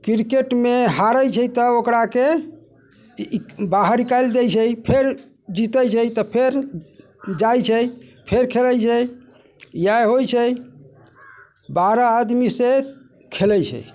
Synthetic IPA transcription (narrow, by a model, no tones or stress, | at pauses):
kiɾkeʈmeɦaɾəjt͡ʃʰəjt̪əokɾake | baɦəɾikajld̪ejt͡ʃʰəjpʰeɾ | d͡ʒit̪əjt͡ʃʰəjt̪ɔpʰeɾ | d͡ʒajt͡ʃʰəjpʰeɾkʰeləjt͡ʃʰɛ | jajɦojt͡ʃʰəj | baɾaːd̪mise | kʰeləjt͡ʃʰɛ̰